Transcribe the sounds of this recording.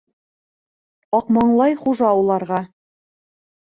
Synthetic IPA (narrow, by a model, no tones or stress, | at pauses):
ɑqmɑɴlˠɑjχuʒɑulˠɑɾʁɑ